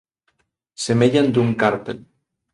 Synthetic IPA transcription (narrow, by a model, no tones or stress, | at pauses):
semeʎand̪uŋkaɾt̪el